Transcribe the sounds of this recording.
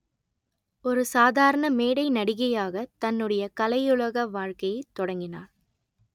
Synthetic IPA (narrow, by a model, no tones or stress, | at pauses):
ɔɾɯsaːðaːɾɐɳɐmeːɽɐɪnɐɽɪɣɐjaːɣɐt̪ɐnːɯɽɐjɐkɐlɐjʊɭɐɣɐʋaːɻkɐjɐɪt̪ːɔɽɐŋɡɪnaːɾ